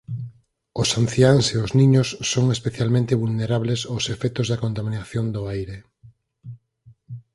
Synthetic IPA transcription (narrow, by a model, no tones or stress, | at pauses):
ʊsanθjaŋseʊznĩɲʊsːoŋespeθjalmẽnt̪eβulneɾaβlesosefɛt̪ʊzðɐkont̪aminaθjond̪ʊajɾe